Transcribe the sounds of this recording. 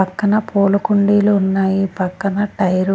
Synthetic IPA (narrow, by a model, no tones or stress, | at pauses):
ɐkːɐnɐpoːlɐkuɳɖiːluːnːaːjipɐkːɐnɐʈɐjɾ